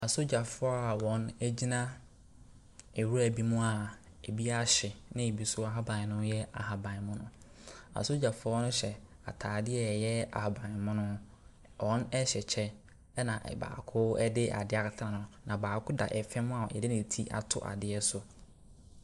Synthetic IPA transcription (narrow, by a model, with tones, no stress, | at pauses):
a˨so˦d͡ʑa˨fʊ˦a˦˨wɔ̃˨næ˦d͡ʑi˦nã˦ | e˨wu˦ɾæ˨bi˦mʊ̃˦a˨ | e˨bi˦a˦ɕɪ˨nɪ̃˦e˨bi˦sʊ˦a˨ɦa˦bã˨nʊ̃˦jɛ˦a̰˨ɦa˨bã˨n˨mʊ̃˦nʊ̃˦ | a̰˨so˦d͡ʑa˨fʊ˦ɔ˦nʊ̃˦ɕɛ˨ | a̰˨tʰaː˨dɪ˦ɛ˦˨jɛ˦a̰˨ha˨bã˨n˨mʊ̃˦nʊ̃˦ | ʔɔ̃˦nɛ˦ɕɛ˨t͡ɕʰɛ˦ | nã˨ʔba̰ː˨kʰʊ˦ɛ̰˦dɪ˦ʔa̰˨dɪ˦a˨ka˨tʰã˨nʊ̃˨nã˨baː˨kʰʊ˦da̰˨ʔɛ˨fɛ̃˦mʊ̃˦a˨ɛ̰˨dɪ˦nɪ̃˨tʰi˦ʔa̰˨tʰʊ̰˦ʔa̰˨dɪ˨˦ɛ˦sʊ˨